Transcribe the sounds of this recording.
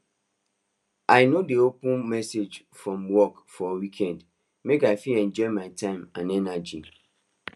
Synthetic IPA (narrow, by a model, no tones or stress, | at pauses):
ʔaɪnodeopə̃nmɛsed͡ʒ | fɹɔ̃mwɔkfɔewikʰɛ̃nd | mekaɪfilɛ̃nd͡ʒɔmaɪtʰãɪ̃mãnɛnad͡ʒi